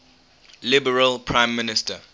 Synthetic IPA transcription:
lɪbəɹəlpʰɹãɪ̃mːɪnɪstə

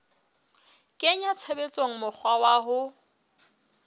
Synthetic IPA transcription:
kʼɪɲat͡sʰebet͡sʼoŋ̩mʊk͡xʰwawaːɦʊ

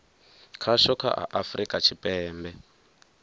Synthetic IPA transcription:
kʰaʃɔkʰa̰ɦa̰ʔafrikʼat͡ʃʰipʼɛːmbɛ

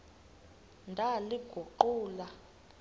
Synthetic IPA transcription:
ndʱaliɡ̥ʱuǃuːla

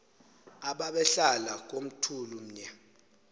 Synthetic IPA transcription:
aɓaɓɛɬalak̬ʼom̩tʰulum̩ɲɛ

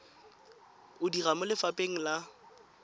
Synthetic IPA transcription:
ʊdiramʊlɪfapʼeŋ̩la

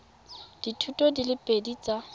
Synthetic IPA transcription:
d̥itʰutʼɔdilɪpʼedit͡sʼa

